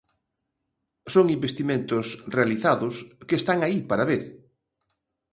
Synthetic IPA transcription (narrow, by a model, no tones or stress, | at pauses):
soŋimbest̪imẽnt̪ʊsrealiθaðʊskeːst̪aŋaipaɾaβeɾ